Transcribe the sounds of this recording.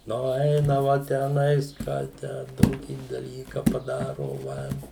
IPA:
ˈnʊ ˈɛɪnɐʋɐ tʲæːˈnɐɪs ˈkɑː ˈtʲæː ˈtoːkʲiː dɐˈlʲiːkɐ pɐˈdɑːroːʋɐ

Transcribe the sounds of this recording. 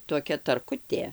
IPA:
toːˈkʲɛ tɐrˈkʊtʲeː

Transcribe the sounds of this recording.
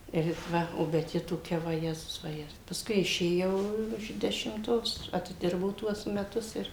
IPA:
ɪr ɪt ˈʋɐ oː bʲɛt ˈjɪ toːˈkʲɛ ʋɐˈjæːzʊs ʋɐˈjɛ pɐsˈkʊɪ ɪʃʲeːˈjɛʊ ɪʃ dʲɛʃʲɪmˈtoːs ɐtʲɪˈdʲɪrbɐʊ ˈtuɔs mʲɛˈtʊs ɪr

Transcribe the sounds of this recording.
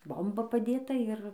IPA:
ˈboːmbɐ pɐˈdʲeːtɐ ɪr

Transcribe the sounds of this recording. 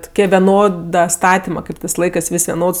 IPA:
tʊˈkʲiɛ ʋʲɛˈnoːdɐ ˈstɑːtʲɪmɐ ˈkɐɪp tɜs ˈlˠɐɪkɜs ˈʋʲɪsʲ ʋʲɛˈnoːts

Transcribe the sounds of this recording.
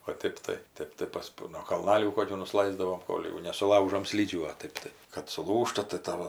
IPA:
oː ˈtʲeːp tɐɪ ˈtʲeːp tɐɪ ˈpɐs nuɔ kɐlˠˈnɑːlʲuː ˈkoːkʲuː nʊˈslˠɐɪzdɐʋoːm ˈkoːlʲ jɛʊ nʲɛsʊˈlˠɐʊʒoːm ˈsʲlʲiːd͡ʒʲuː oː ˈtɜp tɐɪ kɐt sʊˈlˠuːʃtɐ tɐɪ ˈtɑːʋoː

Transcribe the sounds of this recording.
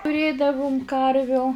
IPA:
tʊˈrʲeːdɐʋʊm ˈkɐrʲʋʲʊ

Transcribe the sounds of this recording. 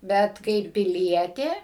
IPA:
ˈbʲɛt kɐɪp pʲɪˈlʲiɛtʲeː

